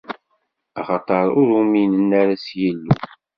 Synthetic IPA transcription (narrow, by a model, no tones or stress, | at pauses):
ɑχɑt̪ˤɑɾˤʊɾuminənːaɾæsjəlːṵ